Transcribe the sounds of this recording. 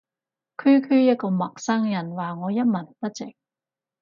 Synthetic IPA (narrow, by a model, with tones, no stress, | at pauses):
kʰyː˥kʰyː˥jɐ˥t̚kɔː˧mɐ˨k̚sɐ˥ŋjɐ˨˩nwaː˨ŋɔː˨˧jɐ˥t̚mɐ˨˩npɐ˥t̚t͡sɪ˨k̚